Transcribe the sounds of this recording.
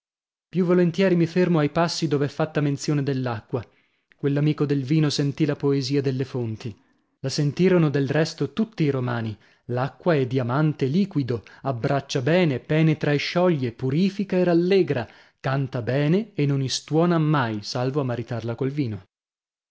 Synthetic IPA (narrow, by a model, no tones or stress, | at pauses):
pjuvːolent̪jɛːɾimifermoajpasːid̪oːveɛfːat̪ːament̪sjoːned̪elːakːwa | kwelːamiːkod̪elviːnosent̪ilapoeziːad̪elːefont̪i | lasent̪iːɾonod̪elrɛst̪ot̪ut̪ːiːɾomaːni | lakːwaɛd̪iamant̪eliːkwid̪oabːɾat͡ʃːabɛːnepɛːnet̪ɾaeʃːɔʎːepuɾiːfikaeralːɛːɡɾa | kant̪abɛːneːnːonist̪wɔːnamːajsalvoamːaɾit̪arlakolviːno